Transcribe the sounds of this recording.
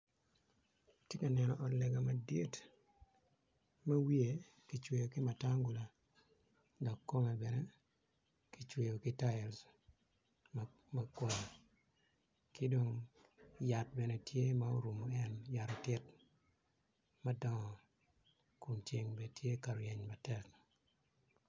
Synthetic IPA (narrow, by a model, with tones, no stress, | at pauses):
tje˦ka˨nɛ˨nɔ˨ʔɔ˨nlɛ˨ɡa˨ma˨dje˦t | ma˦wi˦e˨ | kɪ˨t͡ʃwe˨jo˨kɪ˦ma˨ta˦ŋɡu˨la˨ | dɔ˨kːo˦mɛ˨bɛ˨nɛ˦ | ki˨t͡ʃwe˨jo˨kɪ˦ta˦ɛ˨ls | m | makwo˦ɲ˨ | kɪ˦do˦ŋ | ja˨t̚bɛ˨nɛ˦tʰje˦ma˦o˦ɾu˨mo˨ɛ˦nja˨ɾɔ˨tɪ˦t | ma˦dɔ˦ŋɔ˨ | ku˨nt͡ʃe˨ŋbe˨tʰje˦ka˨ɾɔ˨jɛ˨ɲma˨tɛ˦k̚